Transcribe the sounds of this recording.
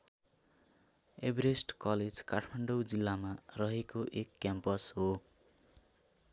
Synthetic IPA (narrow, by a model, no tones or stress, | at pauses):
ebɾesʈkʌled͡zkaʈʰmaɳɖowd͡zilːamarʌɦekoʔekːjampʌsɦo